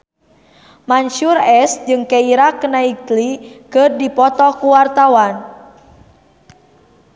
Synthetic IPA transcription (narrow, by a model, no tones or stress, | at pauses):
maɲʃurɛsd͡ʒɨŋkɛiɾakənaiklikɨrdipɔt̪ɔkuwart̪awan